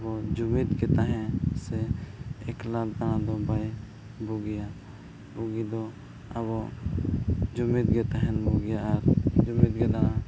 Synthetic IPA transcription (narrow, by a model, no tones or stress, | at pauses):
bɔd͡ʒumit̪ɡɛt̪aɦɛ̃sɛː | klad̪aɾãd̪ɔbaj | buɡija | buɡid̪ɔ | a̰bɔ | d͡ʒumit̪̚ɡɛt̪aɦɛnbuɡijaːɾd͡ʒumit̪̚ɡɛd̪aã